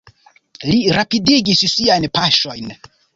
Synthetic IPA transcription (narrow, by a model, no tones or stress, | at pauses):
liɾapidiɡissiajnpaʃo̞jn